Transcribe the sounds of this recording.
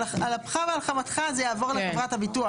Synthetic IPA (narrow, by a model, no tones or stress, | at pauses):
alapχavealχamat̪χazejaːvo̞ʁlekevʁathabitua